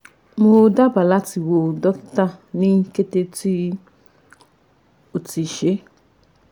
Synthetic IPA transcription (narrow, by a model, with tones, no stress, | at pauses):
mo˧da˦ba˨la˦ti˧wo˧dɔ˦kta˦˨nĩ˦ke˦te˧ti˦ | o˨ti˨ʃe˨˦